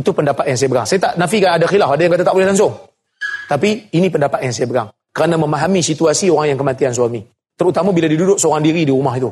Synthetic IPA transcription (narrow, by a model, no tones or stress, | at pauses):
it̪upəndapat̪̚jaŋsajabəɾaŋsajat̪aʔnafikanadaxilafadajaŋkat̪at̪aʔbolɛhlansʊŋ | t̪apiːnipəndapat̪̚jaŋsajabəɾa̰ŋ | kəɾanaməmaɦamisit̪uasioɾaŋjaŋkəmat̪iansuami | t̪əɾut̪amabiladidudʊʔ̚səoɾaŋdiɾidiɾumaɦit̪u